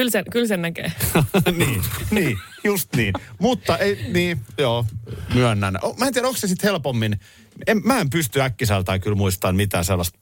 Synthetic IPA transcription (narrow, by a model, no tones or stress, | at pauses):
kylsenkylsennækḛːniːniː | just̪niːnmut̪ːɑʔeiniːjoːmyønːæn̰ʔomæːniæɾoŋksesit̪helpomːin | emmæːempyst̪yækːisælt̪ɑikylmuist̪ɑnmit̪æ̰ːselːɑst̪